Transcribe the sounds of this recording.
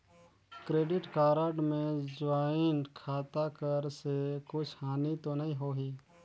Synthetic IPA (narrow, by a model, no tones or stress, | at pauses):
kɾeːɖɪʈkaːɾəɖmẽd͡ʒʋaːɪnkʰaːt̪akəɾsekʊt͡ʃʰhaːnit̪onɐɦĩɦoːɦiː